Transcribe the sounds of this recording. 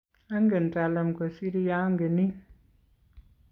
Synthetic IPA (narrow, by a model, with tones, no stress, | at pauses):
a˦ŋɡe˨n˨ta˨lɛ˨mko˨si˦ɾi˦ja˦ŋɡe˨ni˦